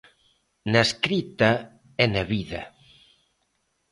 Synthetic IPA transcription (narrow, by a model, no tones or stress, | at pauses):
naskɾit̪a | ɛnaβiðɐ̰